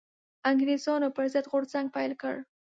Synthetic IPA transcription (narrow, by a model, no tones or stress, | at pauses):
aŋɡɾezɑnopəɾzəd̪ɣoɽzaŋɡ̚pajlkə̰ɽ